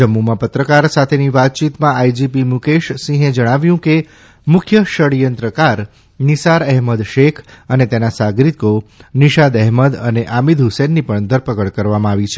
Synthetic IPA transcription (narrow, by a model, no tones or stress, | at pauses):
d͡ʒəmːumãpət̪ɾəkaɾsat̪ʰeniʋat̪̚t͡ʃit̪mãajd͡ʒipimukeʃsĩɦed͡ʒəɽ̃aʋjũke | mʊkʰjəʃəɽijənt̪ɾəkaɾ | nisaɾɛɦməd̪ʃekʰənet̪enasaɡɾikoniʃad̪ɛɦməd̪əneʔamid̪ɦusenːipəɳd̪ʱəɾpəkəɭkəɾʋamãaʋit͡ʃʰe